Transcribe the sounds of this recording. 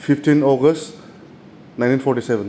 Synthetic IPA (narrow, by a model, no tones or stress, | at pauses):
fifʈĩnɔɡəsʈ | nãɪ̃ʈinfɔɾʈiseʋə̃n